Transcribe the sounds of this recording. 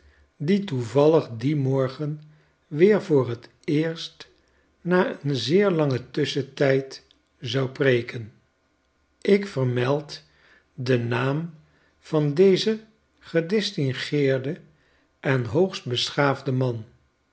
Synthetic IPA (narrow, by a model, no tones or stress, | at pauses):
dituvɑləχdimɔɹχən | ʋɪːɹvʊːrɦət | ɪːɹst | naːənzɪːɹlɑŋətʏsətɛjt | zɑwprejkən | ɪkfərmɛlˠt | dənaːm | v̥ɑndejzə | χədɛstɪŋχɪːɹdə | ʔɛnɦowχst̚bəsχaːvdəmɑn